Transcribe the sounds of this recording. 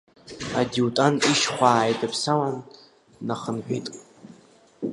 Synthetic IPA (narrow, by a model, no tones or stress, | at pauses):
adiwtʼaniʃχʷaːjdapʰsawanː | aχənħʷᶣitʼ